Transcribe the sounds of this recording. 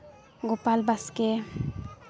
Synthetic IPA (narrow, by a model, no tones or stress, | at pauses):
ɡopalbaske